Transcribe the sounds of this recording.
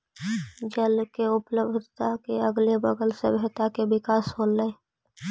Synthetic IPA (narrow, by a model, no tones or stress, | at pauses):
d͡ʒəlkeʊpləbdd̪ʱt̪akeəɡlebəɡəlsḛbeɦt̪akebɪkaːsɦoːlːəe